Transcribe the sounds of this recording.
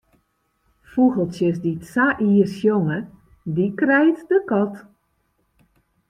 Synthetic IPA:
fuɣəlˠtjəs̬ditsaʔiəsjoŋə | dikrɛjtdəkɔt

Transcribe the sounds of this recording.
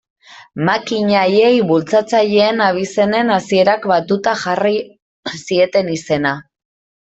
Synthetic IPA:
makiɲaje̞jβult͡sat͡saʎe̞ːnaβ̞ise̞ne̞nasie̞ɾakbat̪ut̪axari | sie̞t̪e̞nise̞na

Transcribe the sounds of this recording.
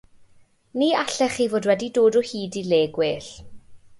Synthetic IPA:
niːaɬɛχivoːdwɛdidoːdɔhiːdileːɡweɬ

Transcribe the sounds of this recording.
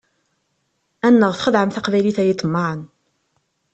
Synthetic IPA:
ænːəʁθχəðʕəmθaqvæjliθæjət͡s̪ːəmːaʕən

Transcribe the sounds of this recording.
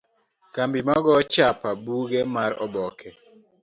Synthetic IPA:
kambimaɡɔt͡ʃapabuɡemaɾɔ̰bɔkʰɛ

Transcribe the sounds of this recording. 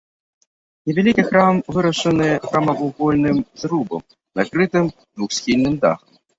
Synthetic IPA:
nʲɛvʲalʲikʲixɾamvɨɾɐʂɐnɨjxɾamɐvuɣɔlʲnɨmzrubɐ̰m | nakɾɨt̪ɨm | d̪vuxsʲxʲilʲnɨmd̪a̰xɐm

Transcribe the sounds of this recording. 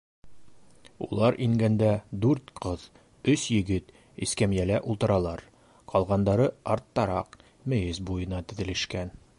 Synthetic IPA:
ṵlˠɑɾʔiŋɡænd̪æd̪ʉɾt̪qɤð | ɵsjɵ̆ɡɘt̪ | iskæmjælæʔulˠt̪ɤ̆ɾɑlˠɑɾ | qʰɒlˠʁɑnd̪ɑɾɤɑɾt̪ːɑɾɑq̚ | mɘ̆jɘzbujɤ̆nɑt̪ɘ̆ðɘ̆lɘ̆ʃkæn

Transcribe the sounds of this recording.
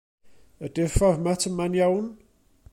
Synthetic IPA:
ədɪfɔrmatʰəmanjawn

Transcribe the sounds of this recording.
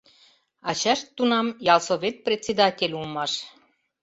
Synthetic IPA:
ɑt͡ɕæʃt̪ːunɑmjɑlˠsoβʲet̪̚prʲet͡sːed̪ɑtʲelʲulmɑʃ

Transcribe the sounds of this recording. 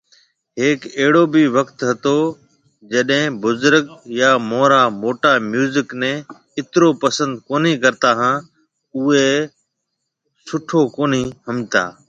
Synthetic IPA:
ɦeːkeɦɽoːbiʋəkt̪ɦɐt̪oː | d͡ʒəɗɦɪ̃bʊzʊɾəkjaːmoːɾaːmoːʈaːmjuːzɪknɛ̃ː | ɪt̪ɪɾoːpəsə̃nd̪koːniːkəɾt̪aːɦãː | ʊeː | sʊʈʰoːkoːniːhəmɪt̪a̰ː

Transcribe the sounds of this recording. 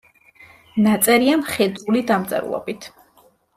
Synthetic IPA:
nat̪sʼɛɾiamχɛd̪ulid̪amt̪sʼɛ̰ɾṵlˠɔ̰bit̪ʰ

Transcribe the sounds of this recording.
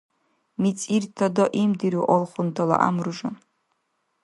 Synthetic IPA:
mit͡sʼirtʰɐdoʔimdiɾiwʔolχʷʊntʰɐla̰ʔa̰mrɨʒɐ

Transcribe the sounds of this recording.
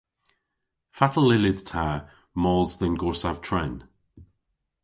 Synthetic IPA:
fatəlɪlɪð̥tʰa | mɔlˠzðənɡɔɹsav̥tʰɹɛn

